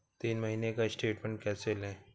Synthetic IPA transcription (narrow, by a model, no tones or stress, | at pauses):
t̪iːnmɐɦiːnekaɪsʈeːʈmẽɳʈ̚kɛːselɛ̃ː